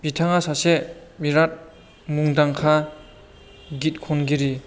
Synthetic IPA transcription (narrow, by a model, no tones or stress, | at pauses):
bitʰaŋasasemiɾat̚ | muŋdaŋkʰa | ɡit̚kʰɔnɡiɾi